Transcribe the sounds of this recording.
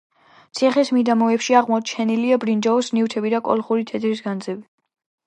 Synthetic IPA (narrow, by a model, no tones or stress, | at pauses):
t̪sʰiχɛsmid̪amɔɛpʃiaʁmɔt͡ʃʰɛniliabɾind͡ʒaɔsniwt̪ʰɛbid̪akʼɔ̰lˠχuɾit̪ʰɛd̪ɾisɡand̪zɛbi